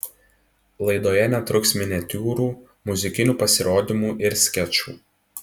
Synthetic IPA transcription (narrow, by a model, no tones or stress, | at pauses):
lˠɐɪd̪oːjɛnʲɛt̪ɾʊksmʲɪnʲɛt̪ʲuːɾuː | mʊzʲɪkʲɪnʲuːpɐsʲɪɾoːd̪ʲɪmuːʔɪɾsʲkʲɛt͡ʃṵː